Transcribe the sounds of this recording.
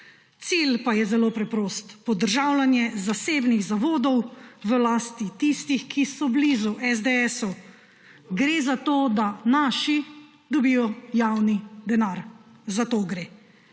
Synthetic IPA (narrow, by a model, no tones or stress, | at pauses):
t̪silpajɛzɛloːpɾɛpɾoːst̪pɔd̪əɾʒaːwlanjɛzaseːbniɣzaʋoːd̪ɔwʋəlaːst̪it̪ist̪ixkʰisɔblizuʔɛzd̪eɛsu | ɡɾeːzat̪oːd̪anaːʃi | d̪ɔbiːjɔjawnid̪ɛnaɾzat̪oːɡɾeː